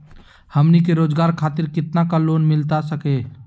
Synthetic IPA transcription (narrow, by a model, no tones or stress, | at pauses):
hɐmnikeɾoːd͡ʒɡaːɾkʰaːt̪ɪɾkɪt̪nakaloːnmɪlt̪asɐkeː